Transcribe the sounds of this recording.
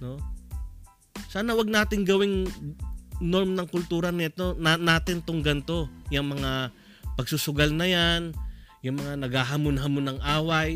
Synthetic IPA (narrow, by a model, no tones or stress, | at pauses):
no̞ | saːnɐwɐɡ̚naːt̪ɪŋɡɐwɪŋ | no̞ɾmnɐŋkʊlt̪uːɾɐnɛt̪o̞nanaːt̪ɪnt̪ʊŋɡɐnt̪o̞jɐŋmɐŋa | pɐɡ̚sʊsʊɡalnɐjanjʊŋmɐŋanɐɡhaɦamʊnɦamonɐŋʔaːwɐj